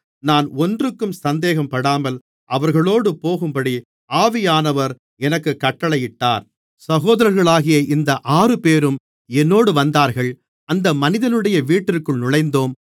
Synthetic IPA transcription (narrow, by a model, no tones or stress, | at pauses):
naːnɔndrɯkːɯmsɐnd̪eːɣɐmpɐɽaːmɐl | ʔɐʋɐɾɣɐɭoːɽɯpoːɣɯmpɐɽi | ʔaːʋɪjaːnɐʋɐɾ | ɛnɐkːɯkːɐʈːɐɭɐjɪʈːa̰ːɾ | sɐɣoːðɐɾɐɾɣɐɭaːɣɪjɐʔɪnd̪ɐʔaːrɯpeːɾɯm | ɛnːoːɽɯʋɐnd̪aːɾɣɐɭ | ɐnd̪ɐmɐnɪðɐnɯɽɐjɐʋiːʈːɪrkːɯɭnʊɭɐɪnd̪oːm